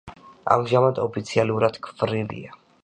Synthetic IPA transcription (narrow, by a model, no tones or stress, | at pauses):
a̰mʒamad̪ɔpʰit̪sʰialuɾad̪̥kʰvɾilḭa